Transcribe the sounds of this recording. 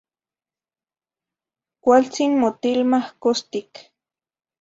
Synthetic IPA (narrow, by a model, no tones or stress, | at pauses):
kʷalt͡sinmot̪ilmahkost̪ik